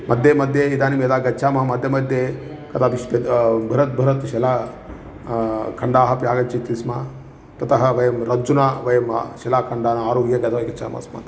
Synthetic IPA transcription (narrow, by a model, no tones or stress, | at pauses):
mɐd̪ʱjeːmɐd̪ʱjeid̪aːnimjɐd̪aːɡɐtːʃʰaːmɐɦɐmɐd̪ʱjɐmɐd̪ʱje | kɐt̪ʰaːbiʃpɐbʱɐɾɐt̪̚bʱɐɾɐt̪ʃɛlaː | kʰɐɳɖaːɦɐpjaːɡɐɲt͡ʃɐt̪ɾisma | t̪ɐt̪ɐɦɐʋɐjɐmɾɐd͡ʒunaʋɐjɐmʃɛlaːkʰɐɳɖaːnɐaːɾuːɦijɐɡɐt̪ʰɐʋɐjɡɐt͡ʃʰa̰ːmɐ̰smɐ̰t̪